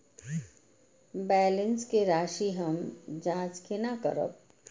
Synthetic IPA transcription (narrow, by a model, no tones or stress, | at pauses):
bɛːlɪnskeɾaːʃiɦəmd͡ʒãːt͡ʃkʰenakə̰ɾə̰p̚